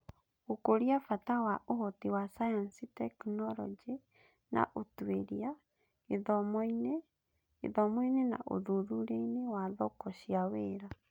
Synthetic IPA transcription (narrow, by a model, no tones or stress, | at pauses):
okoɾiafatawaʔoɦotiwasajɔnsitɛknɔɾɔ̰d͡ʒe | na̰ʔotweɾia | eðɔmɔinḛː | ðɔmɔinena̰ʔo̰ðuðuɾeinewaðɔkɔɕiaweːɾa